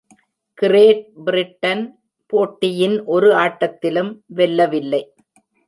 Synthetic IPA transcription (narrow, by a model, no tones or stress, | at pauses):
kɪɾeːʈ̚bɪɾɪʈːɐn | poːʈːɪjɪnʔɔɾɯaːʈːɐt̪ːɪlɯmʋɛlːɐʋɪlːɐɪ